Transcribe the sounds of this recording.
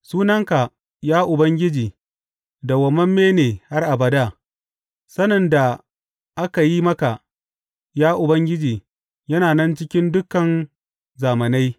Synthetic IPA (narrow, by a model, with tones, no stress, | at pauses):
suː˦nɐ˦ŋka˨ | jaː˦ʔʊ˨bɐ˦ŋɡʲɪ˦d͡ʒiː˨ | da˨wɐ˨mɐ˦mːeː˦neː˨ha˦rʔa˨bɐ˨da˦˨ | sɐ˦nɐ˨nda˨ | ʔa˦ka˨ji˦mɐ˦ka˨ | jaː˦ʔʊ˨bɐ˦ŋɡʲɪ˦d͡ʒiː˨ | jɐ˦naː˨nɛ˦nt͡ʃɪ˦kʲɪ˦ndʊ˦kːɐ˨n | zaː˨mɐ˨na˦j